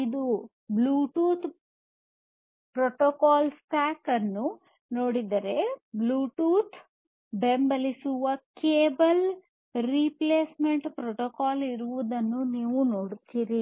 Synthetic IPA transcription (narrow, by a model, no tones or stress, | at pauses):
id̪u | bluːʈuːt̪ʰ | pɾoʈokaːlsʈaːkɐnːu | no̞ːɽid̪ɐɾe̞bluːʈuːt̪ʰ | bembɐlisuʋɐkeːbɐl | ɾipleːsmeɳʈpɾoʈokaːliɾuʋud̪ɐnːuniːʋunoːɽt̪iɾi